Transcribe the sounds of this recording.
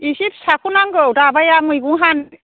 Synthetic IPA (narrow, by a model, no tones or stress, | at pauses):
isip̚sakʰunaŋɡɯwdabajamɯjɡuŋɦan